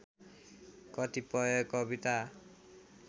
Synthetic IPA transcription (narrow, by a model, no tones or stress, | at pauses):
kʌt̪ipʌjʌkʌbit̪a